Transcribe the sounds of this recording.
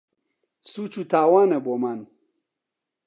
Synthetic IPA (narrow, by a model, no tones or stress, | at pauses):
sut͡ʃutaːwaːnɐboman